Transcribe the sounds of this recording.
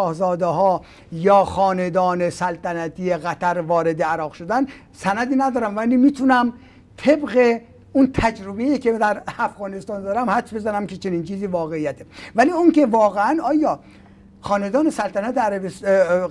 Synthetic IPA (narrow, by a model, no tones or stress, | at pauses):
ɒːhzɒːd̪eɦɒː | jɒːxɒːned̪ɒːnesælt̪ʰænæt̪ʰiːeɣæt̪ʰæɾvɒːɾed̪eæɾɒːɣʃo̞d̪æn | sænæd̪iːnæd̪ɒːɾæmvæliːmiːt̪ʰunæm | t̪ʰe̞bɣe | unt̪ʰæd͡ʒɾobejikʲʰed̪æɾæfɣɒːnest̪ɒːnd̪ɒːɾæmhæt͡ʃbezænæmket͡ʃʰe̞niːnt͡ʃʰiːziːvɒːɣeijæt̪ʰevæliːuŋke̞vɒːɣeænɒːjɒː | xɒːned̪ɒːne̞sælt̪ʰænæt̪eæɾæbes